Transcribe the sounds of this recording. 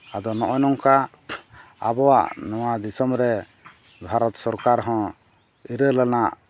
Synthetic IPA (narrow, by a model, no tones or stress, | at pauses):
ad̪ɔnɔʔɔnɔŋka | a̰bɔwa̰ʔnɔwad̪isɔmɾɛ | bʱaɾɔt̪sɔɾkaɾɦɔ̃ | iɾəlanaʔ